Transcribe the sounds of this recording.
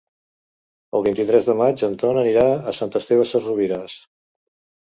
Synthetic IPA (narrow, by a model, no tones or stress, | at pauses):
əlˠβint̪it̪ɾɛzðəmad͡ʒənt̪ɔnəniɾaəsant̪əst̪ewəsəruβiɾas